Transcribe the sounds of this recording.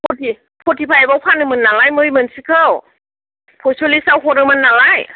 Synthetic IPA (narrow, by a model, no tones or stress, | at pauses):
pʰɔtʰi | pʰɔtʰipʰajabawpʰanɯmɯnːalajmɯjmɯnsikʰɯw | pʰɔsɔlisawɦɔɾɯmɯnːalaj